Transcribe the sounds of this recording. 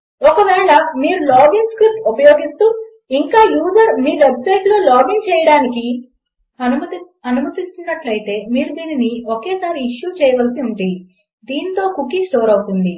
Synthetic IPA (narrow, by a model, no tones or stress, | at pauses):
ɔkɐʋɛːɭɐmiːɾulaːbiŋɡskɾip̚t̪upɐjo̞ːɡist̪uː | iŋkaːjuːd͡ʒɐɾmiːʋebsɐjʈloːlaːbiŋɡ̚t͡ʃɛːjɐɽaːniki | ɐnumɐ | ɐnumɐt̪ist̪unːɐʈlɐjit̪e̞ːmiːɾud̪iːniniokeːsaːɾiːʂjuːt͡ʃɛːjɐʋɐlsiuɳʈi | d̪iːnt̪o̞ːkukːisʈoːɾɐwut̪und̪i